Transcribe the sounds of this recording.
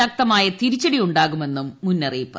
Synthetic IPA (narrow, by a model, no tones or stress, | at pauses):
ɐk̚t̪ɐmaːjɐt̪iɾit͡ɕːɐɽijuɳɖaːɣume̞nːumːunːɐriːpːɐ̰